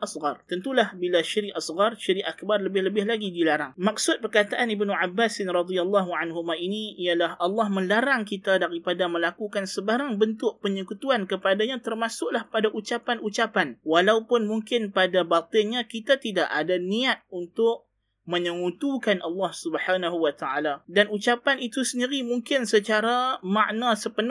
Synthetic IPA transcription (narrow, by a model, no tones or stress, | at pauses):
ʔasɣɑrt̪ənt̪ulahbilaʃiɾiʔasɣɑrʃiɾiʔakbarləbɪhləbɪhlaɡidilaɾaŋmak̚sʊt̪̚pərkat̪aʔanibnuʕabːasɪnɾɑd̪ialːɑɦuʕanɦumãiniijalahʔɑlːɑhmə̃laɾaŋkit̪adaɾipadamə̃lakukansəbaɾaŋbənt̪ʊʔ̚pəɲəkut̪uankəpadaɲãt̪ərmasʊʔlahpadaʔut͡ʃapanut͡ʃapanwalaupʊnmuŋkɪnpadabat̪ɪɲãkit̪at̪idaʔadaniat̪̚unt̪ʊʔ | mə̃ɲəŋut̪ukanʔɑlːɑhsubəħanaɦuwat̪aʕaladanut͡ʃapanit̪usəndiɾimuŋkɪnsət͡ʃaɾama̰ʔnasəpən